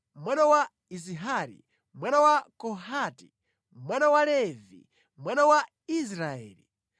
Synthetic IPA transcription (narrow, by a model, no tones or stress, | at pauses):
mwanawa | iziɦaɾḭ | mwanawakɔɦati | mwanawalɛvḭ | mwanawa | is̬ɾaɛ̰ːli